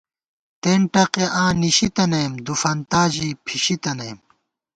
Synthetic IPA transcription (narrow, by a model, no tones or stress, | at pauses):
t̪eːɳʈɐqeʔãːniɕit̪ɐnɐjmd̪ufɐnt̪aːʑiːpʰiɕit̪ɐnɐːm